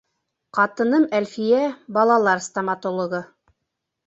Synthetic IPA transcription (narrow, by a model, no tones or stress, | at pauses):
qɑt̪ɤ̆nɤmælfijæbɑlˠɑlˠɑɾst̪ɐmɑt̪olˠŏʁɤ